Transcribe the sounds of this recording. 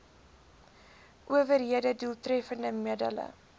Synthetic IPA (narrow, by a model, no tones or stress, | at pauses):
ʔuəvərɦiədədulˠtrɛfəndəmidələ̰